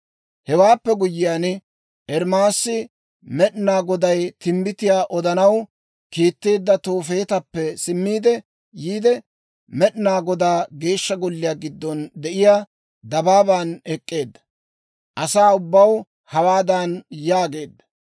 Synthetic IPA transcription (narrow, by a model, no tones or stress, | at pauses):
hɛwaːpːɛɡʊjːɪjaːn | ʔɛɾmaːsːɪ | mɛɗnaːɡɔd̪ɐjt̪ɪmbɪt̪ɪjaːʔɔd̪ɐnɐw | kiːt̪ːeːd̪ːɐt̪oːfe̞ːt̪ɐpːɛsɪmːiːd̪ɛ | jiːd̪ɛ | mɛɗnaːɡɔd̪aːɡe̞ːʃːɐɡɔlːɪjaːɡɪd̪ːɔnd̪ɛʔɪjaː | d̪ɐbaːbaːnɛkʼːe̞ːd̪ːɐ̥ | ʔɐsaːʊbːɐw | hɐwaːd̪anjaːɡe̞ːd̪ːɐ̥